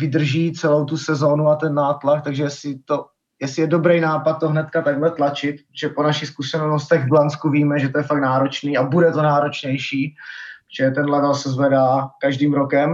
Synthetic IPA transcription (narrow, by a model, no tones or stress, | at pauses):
vɪd̪r̩ʒiːt͡sɛlo̞wt̪usɛzo̞ːnuat̪ɛnːaːt̪lak̚t̪aɡʒɛjɛsɪt̪o̞ | jɛsɪjɛdo̞bɾɛjnaːpat̪̚t̪ːoɦnɛt̪kat̪aɡɦlɛt̪lat͡ʃɪt̪̚pɾot̪oʒɛponaʃɪxskuʃɛnl̩nost̪ɛɣvblanskuviːmɛʒɛt̪ojɛfaknaːɾo̞t͡ʃniːabudɛt̪o̞naːɾo̞t͡ʃɲɛjʃi̥ːt͡ʃɛɛt̪ɛnlɛvɛlsɛzvɛdaːkaʒdiːmɾokɛm